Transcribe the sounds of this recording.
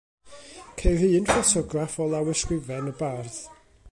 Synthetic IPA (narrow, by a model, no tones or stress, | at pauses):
kʰeɨðiɨnfɔtʰɔɡrafɔlˠawɛskwɪvɛnəbarθ